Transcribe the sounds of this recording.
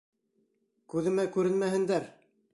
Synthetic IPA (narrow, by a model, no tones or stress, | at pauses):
kʉðɘ̆mækʉɾɘ̆nmæɦɘ̆nd̪æɾ